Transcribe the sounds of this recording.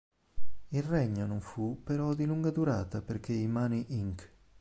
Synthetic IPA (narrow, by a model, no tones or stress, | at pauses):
ilrɛɲːonoɱfupeɾɔd̪iluŋɡad̪uɾaːt̪aperk̟eimaːniʔiŋk